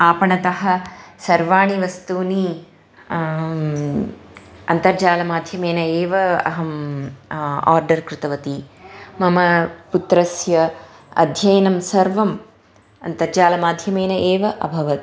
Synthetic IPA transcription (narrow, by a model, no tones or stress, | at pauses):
aːpɐɳɐt̪ɐɦɐ̆sɐɾʋaːɳiʋɐst̪uːni | ɐ̰nt̪ɐɾd͡ʒaːlɐmaːd̪ʱjɐmeːnɐeːʋɐɐ̰ɦɐm | a̰ːɾɖɐɾkɾɪt̪ɐʋɐt̪imɐmɐput̪ɾɐsjɐ | ɐ̰d̪ʱjɐjɐnɐmsɐɾʋɐm | ɐnt̪ɐɾd͡ʒaːlɐmaːd̪ʱjɐmeːnɐʔeːʋɐʔɐbʱɐʋɐt̪